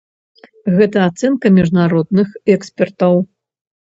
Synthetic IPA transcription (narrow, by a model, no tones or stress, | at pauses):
ɣɛt̪ɐːt̪sɛnkɐmʲiʐnaɾɔd̪nɨxɛkspʲɛrt̪ɐw